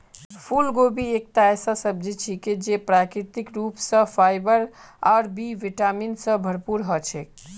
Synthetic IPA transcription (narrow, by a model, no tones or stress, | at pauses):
pʰulɡobʱiek̚t̪asasəb̚d͡ʒit͡ʃʰiked͡ʒepɾakɾit̪ikɾupsə̃fʰajbəɾ | aɾbiʋiʈaminsə̃bʱəɾpuɾɦɔt͡ʃʰɛk